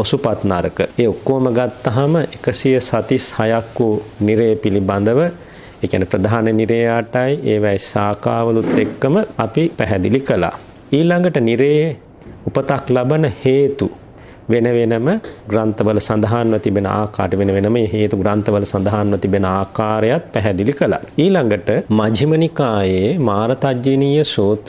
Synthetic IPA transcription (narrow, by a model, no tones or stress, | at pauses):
osupat̪naɾəkəeːukːoːməɡat̪ːaɦaməʔekəsijəsat̪ishajakːuniɾejəpiliband̪əʋə | eːkjænəpɾəd̪aɦanəniɾejaːʈajʔeːʋɛjsaːkaːʋəlut̪ːekːəməapipæɦɛd̪ilikəla̰ː | iːlaŋɡəʈəniɾej | upət̪aklabənəheːt̪u | ʋenəʋenəməɡɾant̪əʋələsand̪aɦanʋət̪ibenəa̰ːka̰ːɾəʋenəʋenəməeɦeːt̪uɡɾant̪əʋələsand̪aɦaːnʋət̪ibenəaːkaːɾejat̪̚pæɦɛd̪ilikəla̰iːlaŋɡəʈəmad͡ʒʱimənikaːjeːmaːɾɐt̪ad͡ʒjiniːjəsoːt̪